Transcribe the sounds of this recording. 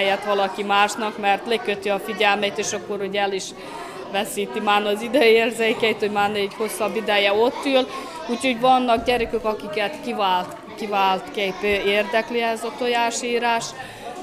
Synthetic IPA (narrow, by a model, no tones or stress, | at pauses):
jɛt̪ʋɒlɒkimaːʃnɒkmɛrt̪lekøt̪iɒfiɟɛlmɛjt̪eːʃɒkːo̞ɾhoɟɛliʃ | ʋɛsiːt̪imaːnɒzid̪ɛeːrzekɛjt̪ho̞ɟmaːrneːɟho̞sːɒbːid̪ɛjɛo̞t̪ːyl | uːcho̞ɟʋɒnːɒɡɟɛɾɛkøkɒkikɛt̪kivaːlt̪ | kivaːlt̪kejpːeːrd̪ɛkliɛzɒt̪ojaːʃiːɾaːʃ